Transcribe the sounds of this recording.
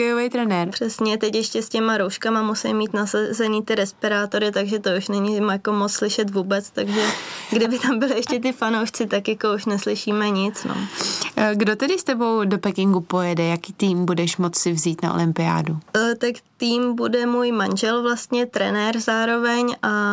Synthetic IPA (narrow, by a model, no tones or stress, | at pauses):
kɛjovɛjt̪ɾɛnɛɾpr̥ɛsɲɛt̪ɛcjɛʃcɛscɛmaɾowʃkamamusɛjmiːt̪nasazɛniːt̪ɪɾɛspɪɾaːt̪o̞ɾɪt̪aɡʒɛt̪ouʃnɛɲɪmjako̞mot͡sslɪʃɛt̪vuːbɛt͡st̪aɡʒɛɡdɪbɪt̪ambɪlɪjɛʃcɛt̪̬ɪfanowʃt͡sɪt̪akjako̞uʃnɛslɪʃiːmɛɲɪt͡sno̰ | ɡdot̪ɛdɪst̪ɛbowdopɛkɪŋɡupojɛdɛjakiːt̪iːmbudɛʃmot͡ssɪvziːt̪na̰ʔo̰lɪmpɪa̰ːdut̪akt̪iːmbudɛmuːjmanʒɛlvlast̪ɲɛt̪ɾɛnɛɾzaːɾo̞vɛɲʔa